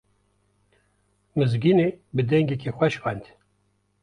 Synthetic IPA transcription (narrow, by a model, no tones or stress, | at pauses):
mɨzɡinebɨd̪ɛŋɡekʰexʷɛʃwɛnd̪